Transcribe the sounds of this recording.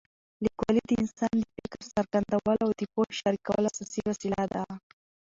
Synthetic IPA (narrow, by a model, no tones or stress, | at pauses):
likwalid̪əɪnsɑnd̪əpekaɾsaɾɣand̪awəlawd̪əpohʃaɾikawə̰lasasiwasilad̪a